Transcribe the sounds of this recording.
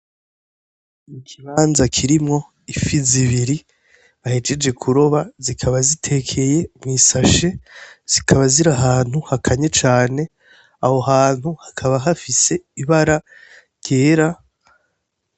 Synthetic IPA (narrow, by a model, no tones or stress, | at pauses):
ikʰiβaːnzakʰiɾimŋo̞ | ifiziβiɾi | βahe̞d͡ʒe̞d͡ʒe̞kʰuɾo̞βazikʰaβazitʰe̞kʰe̞je̞mŋiːsaʃe̞z̥ikʰaβaziɾaɦaːn̥huhakʰaɲe̞t͡ʃaːne̞ | aho̞ɦaːn̥huhakʰaβaɦafise̞iβaɾa | jeːɾa